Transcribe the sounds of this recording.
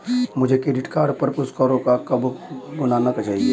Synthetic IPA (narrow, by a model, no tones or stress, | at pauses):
mʊd͡ʒʱekɾeɖiʈkaːɾɖpəɾpuskəɾokakəbɡʊnanəkt͡ʃaːɦie